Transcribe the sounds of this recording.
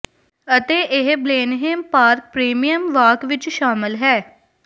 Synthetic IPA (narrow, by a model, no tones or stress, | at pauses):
ət̪eːʔɪɦbleːnɦeːmpaːɾk̚pɾeːmijəmʋaːkʋɪt͡ʃʃaːmɪlɦɛː